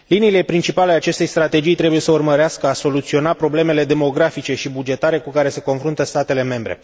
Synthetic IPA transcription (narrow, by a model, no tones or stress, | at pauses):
liniːle̞pɾint͡ʃipaleat͡ʃe̞st̪e̞jst̪ɾat̪e̞d͡ʒijt̪ɾe̞buje̞səurməɾeaskəaso̞lut̪sio̞napɾo̞ble̞me̞le̞d̪e̞mo̞ɡɾafit͡ʃe̞ʃibud͡ʒe̞t̪aɾe̞kukaɾe̞se̞ko̞nfɾunt̪əst̪at̪e̞le̞me̞mbɾe̞̰